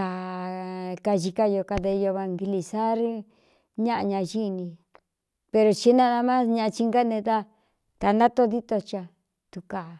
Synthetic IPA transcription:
a˨ | ka˧ʒi˧ka˧jo˧ka˧ðe˧jo˧βa˧ŋɡi˧li˧sa˦ɾ | ɲã˦ʔa˧ɲã˧ʒi˦˧nĩ˧ | pe˧ɾo˧t͡ʃi˦nã˦˧ða˧mã˦sɲã˧t͡ʃi˧ŋɡa˦nẽ˧ða˦ | t̪a˧nda˦t̪o˦ði˦t̪o˧t͡ʃa˧ | t̪u˧ka˨

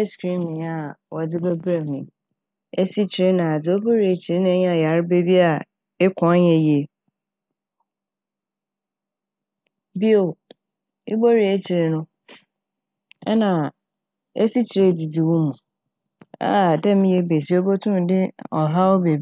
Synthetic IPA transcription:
skɾĩ˦mɪ̃˨a˨wɔ˨d͡zɪ˦ba˦bɾa˦mĩ˨ | e˦si˦t͡ɕʰi˨ɾe˦nã˨a˨d͡zɪ˨o˦bo˦ɾi˨e˨t͡ɕʰi˨ɾe˦ñ˦ɛ˦ɲ̃˦a˨ja˨ɾbe˦bi˦a˨ | ɪ˦kʰɔ̃˨˦ɲɛ̃˨je˦ | bi˦o˨ | ɪ̰˦bo˦ɾi˨e˦t͡ɕʰi˨ɾe˨nʊ̃˦ | ɛ˦nã˨ | ḛ˦si˦t͡ɕʰi˨ɾe˦˨di˨di˨wʊ˦mũ˨ | a̰˦˨dɛ̃˦m˦je˦be˨si˦o˦bo˦tʰʊ̃˦˨dɪ˦ɔ˨ɦa˦ɔ˦be˨˦

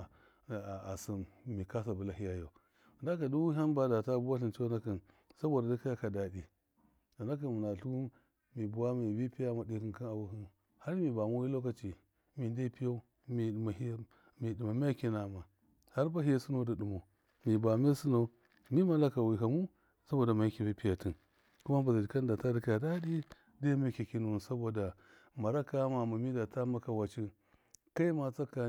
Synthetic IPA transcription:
a˨si˨mmi˨ka˦s̬a˨bu˨la˨ɦi˦ja˨jo˨ | da˦ka˨du˦wu˦ɦa˦nba˦da˨ta˦bu˦wa˦ɬi˨nt͡ʃo˦na˦ki˨n | sa˦bo˨da˨da˦ka˦ja˦ka˨da˨di˨ | da˨na˦k̬i˨nm˨na˨ɬu˦u˦ | mi˨bu˨wa˦mi˨bi˦pi˦ja˦ma˨di˦ki˨nki˦na˨wu˦hi˦n | ha˦ɾmi˨ba˨mo˦ji˦lo˦ka˦t͡ʃi˨ | mi˨nde˦pi˦jo˦ | mi˨ma˨˦ | mi˨di˨ma˨me˦a˦ki˦na˨ma˨ | ha˦ɾba˦ɦi˦su˦no˦da˨ɗu˨mo˨ | mi˨ba˨me˦su˦no˨ | mi˦ma˨la˦ka˨wi˨ɦa˨mu˦ | sa˦bo˨da˨ma˨ji˦ki˨bi˦pi˦ja˨ti˦n | ku˦ma˦ba˨zi˨dka˦nda˨ta˦di˨kja˨da˦di˦ | de˦me˦˨ki˨ki˦nu˨u˨n˨sa˦bo˨da˨ | ma˨ɾa˦ka˦ma˨ma˨mi˦da˨ta˦ma˦ka˨wa˨t͡ʃi˦ | ka˦i˦ma˨t͡sa˦ka˨

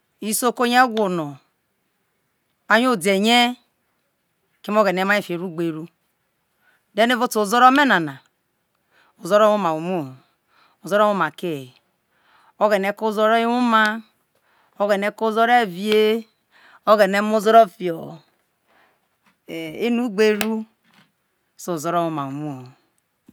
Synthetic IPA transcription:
i˦so˦ko˦ɲ˦e˦ɡʷo˨no˨ | a˦ɲ˦o˦˨de˨ɲe˦ | ke˦m˦o˦ɡe˨ne˨˦ma˦e˦˨fe˨ɾu˦ɡ͡be˨ɾu˦ | de˦ne˦vo˦to˨zo˦ɾo˦me˦na˨na˨ | o˨zo˦ɾo˦u˦ma˨u˨mu˦˨ | o˨zo˦ɾo˦u˦ma˨ke˦˨ | o˦ɡe˨ne˨˦ko˦zo˦ɾo˦i˦wu˦ma˦ | o˦ɡe˨ne˦ko˦zo˦ɾe˦˨vi˨e˦ | o˦ɡe˨ne˦mo˦zo˦ɾo˦fi˨o˨ | e˨e˦nu˦ɡ͡be˦ɾu˦ | so˨zo˦ɾo˦u˦ma˨u˨mu˦˨

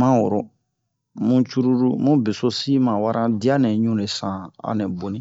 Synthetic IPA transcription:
mã˦wɔ˨ɾɔ˨ | mũ˦t͡ʃu˦ɾu˦ɾu˦mũ˦be˨so˦si˦mã˨wa˦ɾʔã˦di˦a˦nɛ̃˨ɲũ˦le˨sã˨a̰˨ne˨bo˨nĩ˦

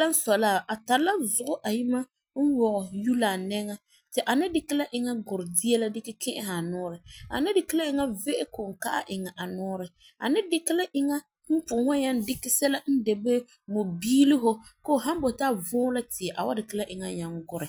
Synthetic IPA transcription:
a˦n̩˦sɔ˨laː˦˨ʔa˨ta˨la˦zʊ˨ʔʊ˦ʔa˨ji˦ma˦ | n̩˦wɔ˨ɣɔ˨ju˦la˨nɛ˦ŋa˦ | tɪ˨ʔa˨nɪ˦dɪ˦kɪ˦la˦ʔɪ˨ŋa˦ɡʊ˨ɾɪ˨di˦ɛ˦la˦dɪ˦kɪ˦kʰɪ˦ʔɪ˦ha˨nʊː˦ɾɪ˨a̰˨nɪ˦dɪ˨kɪ˦la˦ɪ˨ŋa˦ve˦ʔɪ˦kʊ˨ŋ̩˨ka˦ʔa̰˦˨ʔɪ˨ŋa˨ʔa˨nʊː˦ɾɪ˨ | a̰˨nɪ˦dɪ˦kɪ˦la˦ʔɪ˨ŋa˦ | n̩˦pʊ˨ŋa˦ɲa˦ndɪ˦kɪ˦sɛ˦la˦n̩˦de˨be˦ | mo˨biː˦lɪ˦ɦʊ˦ko˦˨ɦa˦m˦bo˨taː˦vʊː˦la˦tɪ˨ɛ˨ʔa˨wa˦dɪ˨kɪ˦la˦ʔɪ˨ŋa˦ɲa˨ŋɡʊ˦ɾɪ˨

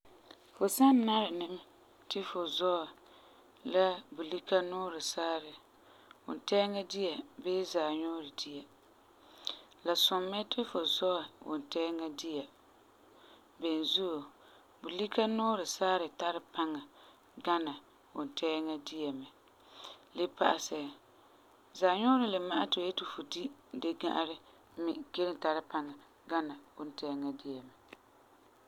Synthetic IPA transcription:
fʊ˨sa˦nː˦a˦ɾɪ˨nɪ˦m˦ | tɪ˦fʊ˨zɔ˦a˨ | la˦bu˨li˦ka˦nʊː˦ɾɪ˨sa˦ɾɪ˨ | wʊ̰˨n˨tɛ˦ŋa˦di˦a˨beː˦zaː˨ɲʊ˦ɾɪ˨di˦ja˨ | la˨sʊ˨mːɛ˦tɪ˦fʊ˨zɔ˦a˨wʊ̰˨n˨tɛ˦ŋa˦di˦a˨ | bɛ˨n˨zu˦˨ | bʊ˨li˦kʰa˦nʊː˦ɾɪ˨saː˦ɾɪ˨ta˦ɾɪ˦pʰa˦ŋa˨ | ɡa˦na˨ | wʊ˨n˨tʰɛː˦ŋa˦dɪ˦ɛ˨mɪ˨ | lɪ˦pa̰˦ʔa˨sɛ˨ | zaː˨ɲʊ˦ɾɪ˨lɪ˨ma˦ʔa˦tɪ˨je˦tu˨fo˨di˦de˦ɡa̰˦ʔɾɪ˦ | mɪ˨ke˦ɾɪ˦ta˨ɾɪ˦pa˦ŋa˨ | ɡa˦na˨wʊ˦n˨tɛː˦ŋa˦dɪ˦jɛ˨mɪ˨

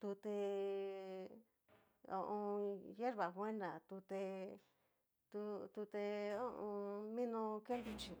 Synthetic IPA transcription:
t̪u˧t̪e˧ | o̰˧ʔõ˧je˦ɾβa˨βwe˦nã˨t̪u˧t̪e˧ | t̪u˧t̪u˧t̪e˧o˦ʔõ˧mĩ˦nõ˧ke˦nd̪u˧t͡ʃi˧˨

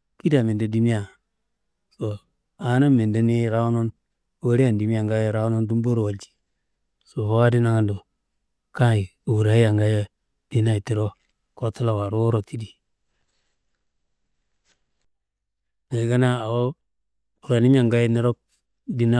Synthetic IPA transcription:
ki˦da˨mi˨ndo˨di˦mi˦ja˨ | so˨ | a˨˦na˦me˨da˦ni˦ɾa˦wo˦no˦n | wo˦ɾi˦a˦˨ndi˨mi˦a˨ŋɡa˦˨ɾa˦wno˦ndu˦mbo˦ɾo˨wa˨ld͡ʒi̥˨ | so˨fo˦wa˦di˦na˦ŋa˨ndo˨ | ka˦i˨u˨ɾa˨˦i˦ja˨ŋɡa˦ja˦ | di˦na˦i˨ti˦ɾo˦ | ko˦ta˦la˨wa˨ɾo˦wo˦ɾo˨ti˦di˨ | ŋa˨ɡa˦na˦a˨wo˦ | u˨ɾa˨ni˦mi˦a˨ŋɡa˦i˦ni˦ɾo˦k̚ | di˦na˦

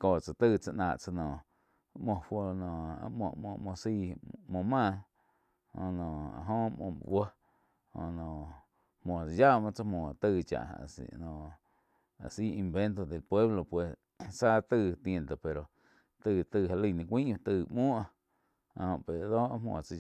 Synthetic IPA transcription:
ko˧˨t͡sa˨t̪ɨː˧˨t͡sa˧ʔnãː˧˨ʔt͡sa˧nɔ̃˨ | mõ˧ɸo˧nõ˨a̰˧mõ̰˧˨mõ̰˧˨mõ˧si˧mõ˧˨mãː˦˧˨ | hõ˧˨nõ˨a̰˨ɦõ˦mõ̰˧˨˧wə˦ | hõ̰˧˨nõ˨ | mõ˨t͡sa˧ja˦mã˧t͡sa˧mõ˨t̪ɨː˧t͡ʃa̰˨ʔsnõ˨ | a̰˨si˦i˧mbe˦nt̪̬o˧d̪e˨lpwe˦βlo˧pwe˨s | sa˦t̪ɨ˧t̪ẽ˧nt̪o˨pe˨ɾo˨ | t̪ɨː˧˨t̪ɨː˧˨a˧li˧˨nĩ˧kʷĩː˦ʔt̪ɨː˧˨mõː˦ʔa˧ | a˨hõ˧˨pe˨ɾd̪oː˦ʔa˦mwõ̰˧˨t͡sa˧

